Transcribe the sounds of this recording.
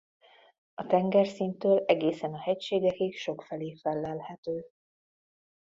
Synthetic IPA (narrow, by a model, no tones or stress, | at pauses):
ɒt̪ɛŋɡɛrsint̪øːlɛɡeːsɛnɒhɛcʃeːɡɛkikʃo̞kfɛleːfɛlːɛlhɛt̪øː